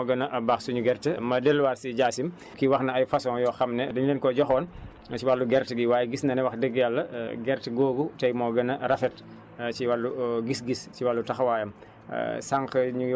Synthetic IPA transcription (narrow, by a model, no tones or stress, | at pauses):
ɔɡɐnɐʔɐbaːxsuɲuɡɛɾtəmɐdɛlːwasiɟaːsim | kiwɐxnɐɐjfɐsɔ̃ːjɔːxɐmnɛdɐɲlɛːnkɔɟɔxɔːn | t͡ʃiwalːuɡɛɾtəɡiwaːjɡisnɐnɛwɐxdəɡːjalːɐɡɛɾtəɡoːɡutɐjmɔːɡɐnɐɾɐfɛt | t͡ʃiwalːuɡisɡisciwalːutɐxwaːjɐm̰ | saŋkɐɲu